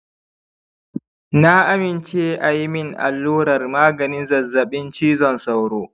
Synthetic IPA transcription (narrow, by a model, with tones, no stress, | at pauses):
na˦ʔa˦mɪ˨nt͡ʃeː˦ʔa˨ji˦mɪ˦ŋʔa̰˨lːuː˦ɾɐ˨rmaː˦ɡɐ˨nɪ˦zɐ˨rzɐ˨ɓɪ˦nt͡ʃiː˦zɔ˨nsa˨wɾoː˦